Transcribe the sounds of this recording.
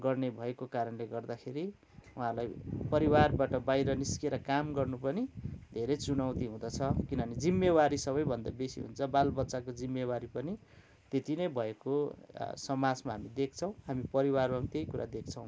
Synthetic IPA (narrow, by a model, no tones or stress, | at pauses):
ɡʌrnebʱʌekokaɾʌnleɡʌrd̪akʰeɾi | uɦãlajpʌɾiwarbaʈʌbajɾʌniskeɾʌkamɡʌrnupʌnid̪ʱeɾʌjt͡sunawt̪iɦũd̪ʌt͡sʰʌkinʌnid͡zimːewaɾisʌβʌjbʱʌnd̪abesḭɦṵnt͡sʰʌbalbʌtːsakod͡zimːewaɾipʌni | t̪et̪inʌjbʱʌekosʌmad͡zmaɦamid̪ek̚ʰt͡sʰʌ̃w̃ɦamipʌɾiwarbat̪ejkuɾʔa̰d̪ek̚ʰt͡sʰʌw̃